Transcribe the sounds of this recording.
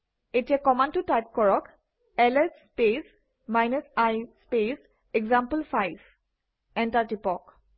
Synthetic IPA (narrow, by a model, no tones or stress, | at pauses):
etijakɔmantutajp̚kɔɹɔk | ɛlɛsːpes | majnɛsajspes | ɛɡzampəlfʰajb | ɛntaɹtipɔk